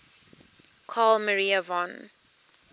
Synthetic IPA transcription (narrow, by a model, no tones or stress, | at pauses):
kʰalməɹiəvɔ̃n